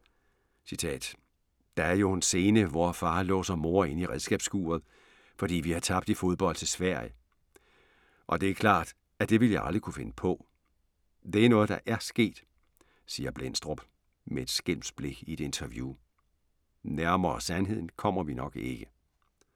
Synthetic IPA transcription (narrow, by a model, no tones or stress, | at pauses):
sit͡sʰɛ̰ːd̥ | d̥ɑ̈æɐjo̝ense̝ːnəʋɒːfɑ̈ːlɔ̰̽ːsɒmo̝ːɐ̰e̝n̰iʁɛð̞ˠsɡ̥ɛ̰ːb̥sɡ̥ṵːɐð̞̩ˠ | fɒ̽d̥ḭːʋihɑ̈t͡sʰɑ̈b̥d̥ifo̝ð̞ˠb̥ɒ̽l̰d̥t͡sʰe̝sʋæɐ̰jə | ʔɒ̽d̥e̝æɐkʰlɑ̰̈ːd̥ | æd̥e̝ʋi̝ljɑ̈ɪɑ̈ld̥ʁikʰufe̝nəpʰɒ̽ | d̥e̝æɐnɔ̽ːð̩ˠd̥ɑ̈ʔæɐsɡ̥e̝̰ːd̥ | siːɐb̥len̰sd̥ʁob̥ | mee̝d̥sɡ̥el̰msb̥le̝ɡ̥ie̝d̥e̝nt͡sʰɐʋjuː | næɐmɐsænɦe̝ð̰ˠn̩kʰɒ̽m̰ɐʋinɒ̽ɡ̥e̝ɡ̥ə